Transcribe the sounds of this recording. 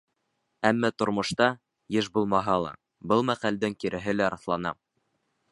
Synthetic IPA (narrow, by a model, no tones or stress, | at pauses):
æmːæt̪ŏɾmŏʃt̪ɑ | jɘʃbulˠmɑɦɑlˠɑ̰ | bɤlˠmæqæld̪ɘŋkiɾʔɘ̆ɦɘlæɾɑθlˠɑnɑ